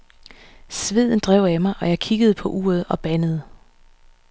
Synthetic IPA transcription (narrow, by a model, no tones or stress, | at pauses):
sʋeð̞̰ˠn̩d̥ʁɛʊ̰æmɑ̈ɪʔɒ̽jɑ̈ɪkʰiɡ̥əð̩ˠpʰɒ̽ʔuːɐð̞ˠɒ̽b̥ænəð̞̩ˠ